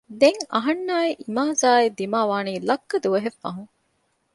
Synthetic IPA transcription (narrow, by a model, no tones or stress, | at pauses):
d̪eŋɐɦɐnːaːeʔimaːzaːed̪imaːʋaːniːlɐkːɐd̪uʋɐɦefːɐ̰ɦuŋ